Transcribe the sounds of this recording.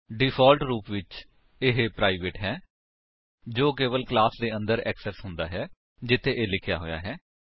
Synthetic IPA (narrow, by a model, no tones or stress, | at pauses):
ɖɪpʰɔːlʈɾuːpʋɪt͡ʃ | ɪɦepɾaːiʋeːʈɦɛː | d͡ʒoːkeːʋəlklaːsd̪eːə̃nd̪əɾɛ̰ːksɛːsɦʊ̃nd̪aːɦɛː | d͡ʒɪt̪ʰːeːʔeːlɪkʰja̰ːɦoːja̰ːɦɛː